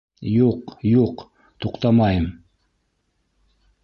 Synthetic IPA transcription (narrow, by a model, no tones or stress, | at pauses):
juqjuq | t̪ʰuqt̪ɑmɑjəm